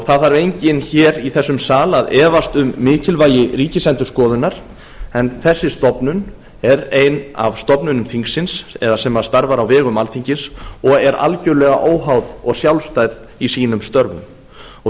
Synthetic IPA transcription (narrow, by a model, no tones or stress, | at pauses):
θaðaɾvejɲcɪnçɛːɾiθɛsːʏmsaːlaðɛːvast̪ʏmːɪːcɪlvaːjɪriːcɪsɛnt̪ʏɾ̥skɔːðʏnːaɾ̥ | ɛnθɛsːɪst̪ɔpnʏn | ɛɾeːjna̰v̥st̪ɔpnʏnʏmfiŋksɪnsɛðasɛmaɾ̥st̪aɾvaɾawvɛːɣʏmalθiɲcɪnsɔɣɛɾʔa̰lcʏɾlɛɣa̰ʔoːwɦawðɔɣsjawlst̪ajð | isiːnʏmst̪œɾvʏ̰m | ɔ